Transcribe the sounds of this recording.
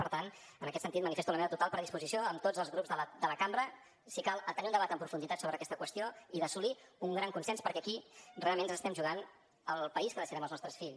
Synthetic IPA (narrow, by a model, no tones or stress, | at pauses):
pəɾt̪an | ənəkɛt̪sənt̪it̪mənifest̪unəmeβət̪ut̪alˠpɾəðispuzisioəmt̪od͡zəlˠzɣɾupzðələd̪ələkambəɾə | sikalˠt̪əniund̪əβat̪əmpɾufund̪it̪at̪soβɾəkɛst̪əkwəst̪ioiðəsuliuŋɡɾaŋkunsɛnspəɾkɛəkirealˠmẽnzəst̪ɛmʒuɣ̞an | əlˠpəiskəðəsiɾɛməlznɔst̪ɾəsfiʎs